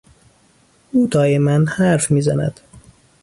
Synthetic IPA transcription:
uːd̪ɒːjemænd̪hæɾfmiːzænæ̰d̪̥

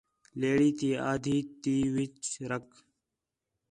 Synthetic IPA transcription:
leːɽiːt̪iːaːd̪ʱiːt̪iːʋɪt͡ʃɾək

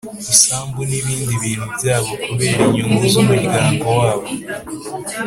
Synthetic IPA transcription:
isaːmbuniβiːndiβiːn̤uβjaːβo̞kuβe̞ːɾiɲuŋɡuzomuβɡaːmbowaːβo

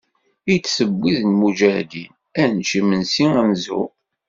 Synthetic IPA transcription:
it͡sːsəbːiðnmud͡ʒæd̪in | ænt͡ʃimənsiŋænzṵ

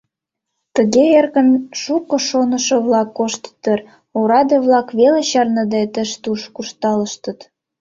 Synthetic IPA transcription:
t̪ə̆ɣeerɣə̆nʃukŏʃonə̆ʃĕβlɑkːoʃt̪t̪ːər | oɾɑd̪eβlɑkβeleɕɑrnə̆d̪et̪ə̆ʃt̪uʃkuʃt̪ɑləʃt̪ə̆t̪

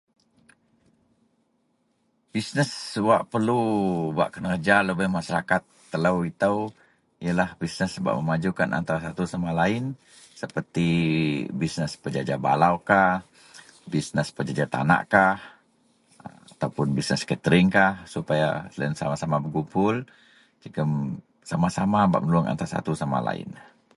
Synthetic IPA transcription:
bisnəswaʔpərluba̰ʔkənərd͡ʒaləbəhmaʃaɾakat̪ːələwit̪əw | ijəlahbisnəsəba̰ʔməmad͡ʒukanʔa̰nt̪aɾasat̪usamalaɪn | səpərt̪i | bisnəspəd͡ʒad͡ʒaba̰laukah | bisnəspəd͡ʒad͡ʒat̪a̰na̰ʔkah | at̪awpʊnbisnəskət̪əɾɪŋkahsupaja̰slaənsamasamabəɡupʊl | d͡ʒəɡəm | samasamaba̰ʔmənluəŋa̰nt̪aɾasa̰t̪usama̰la̰ɪ̰n

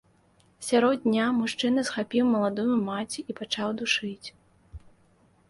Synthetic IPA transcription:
sʲaɾɔd̪̚dʲnʲamuʂt͡ʂɨnɐsxapʲiwmɐlˠad̪ɔjumat͡sʲiipat͡ʂawd̪uʂɨt͡sʲ

